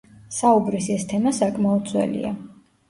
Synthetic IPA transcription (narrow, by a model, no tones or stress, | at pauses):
saubɾisɛst̪ʰɛmasakʼmaɔd̪̚sʰwɛ̰lḭa